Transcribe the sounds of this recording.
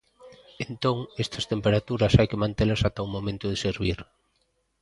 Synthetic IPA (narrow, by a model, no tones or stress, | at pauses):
ent̪oŋest̪ɐst̪empeɾat̪uɾɐsajkemãnt̪elɐsat̪aumomẽnt̪ʊðeseɾβiɾ